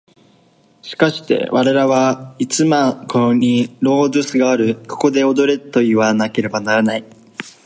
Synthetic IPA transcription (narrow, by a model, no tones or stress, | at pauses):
ɕi̥kaɕi̥t̪e̞̰βaɾe̞ɾaβait͡sɨmakʰoɲ̟iɾo̞ːdɨsɨɡaːɾɯ̟ko̥ko̞d̪e̞o̞d̪o̞ɾe̞t̪o̞iβanake̞ɾe̞banaɾanai